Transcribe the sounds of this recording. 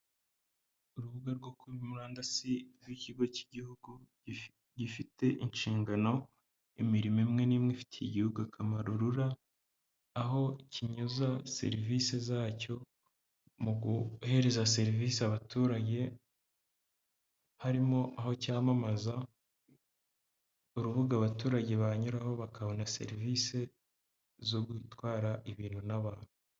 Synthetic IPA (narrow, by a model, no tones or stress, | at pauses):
uɾuβuɡaɾɡokuβimuɾaːndasiɾɡwiciɡo̞ciɟihuɡu | ɟifite̞ʔinʃiːŋɡano̞ | imiɾimimŋe̞niːmŋefi̥tʰeiɟihuɡuakʰamaɾoɾuɾaː | ɦo̞ciɲuzasḛɾivise̞zaːco̞ | muɡuhe̞ɾe̞zase̞ɾiviːseaβatuːɾaɟe̞ | haɾimo̞ʔaho̞caːmamaza | uɾuβuɡaːβatuːɾaɟe̞βaɲuɾaho̞βakaβo̞nase̞̰ɾiviːse̞ | zo̞ɡwiːtwaːɾaʔiβiːnhunaβaːn̥hu